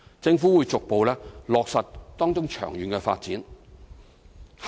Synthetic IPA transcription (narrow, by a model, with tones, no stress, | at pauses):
t͡sɪ˧ŋfuː˨˥wuː˨˧jt͡sʊ˨k̚po˨wlɛː˥lɔː˨k̚sɐ˨tt̪ɔː˥ŋt͡sʊ˥ŋt͡ʃʰœ̰ː˨˩ŋjyː˨˧nkɛ˧fa̰ː˧t̚t͡siː˨˥n | h